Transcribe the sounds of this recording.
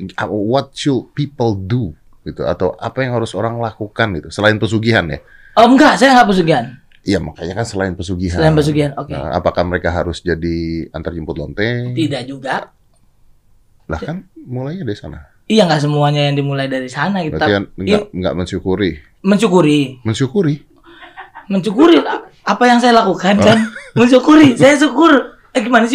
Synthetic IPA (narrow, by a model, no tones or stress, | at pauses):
awɔt̪̚ʃulpipəldu | ɡ̥it̪ua̰t̪awʔapajaŋɦaɾʊsoɾaŋlakukanɡit̪usəlaɪnpəs̬uɡiɦanja̰ | əŋɡaʔsajaŋɡaʔpəs̬uɡiɦan | ijamakaɲakansəlaɪnpəsuɡisɦaəlaɪnpəs̬uɡiɦanokḛa̰pakahməɾekaɦaɾʊsd͡ʒadia̰nt̪ard͡ʒəmpʊt̪lɔnt̪ɛt̪idaʔd͡ʒuɡa | la̰hkanmulajɲadaɾisa̰na̰ | ijaŋɡaʔs̬əmuaɲajaŋdimulajdaɾisanakianŋɡaŋɡa̰ʔməɲt͡ʃukuɾi | məɲt͡ʃukuɾiməɲt͡ʃukuɾi | məɲt͡ʃukuɾi | apajaŋs̬ajalakukankanməɲt͡ʃukuɾisajasukʊr | aɡimanas